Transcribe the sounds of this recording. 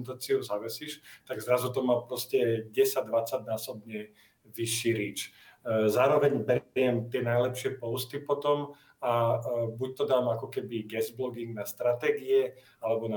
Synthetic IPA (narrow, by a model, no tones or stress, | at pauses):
nt̪aːt͡siuzaʋɛsiʃt̪aɡzɾazut̪ɔmaːpɾɔscɛɟɛsaɟd̪ʋat͡saɟnaːsɔbɲɛ | ʋiʃːiːɾiːt͡ʃ | zaːɾɔʋɛɲbɛɾɪɛmt̪ɪɛnajlɛpʃɪɛpɔʊst̪ipɔt̪ɔm | abuc̚t̪ɔd̪aːmakɔkɛbiɡɛzblɔɡiŋɡnast̪ɾat̪ɛːɡiɛ | alɛbɔna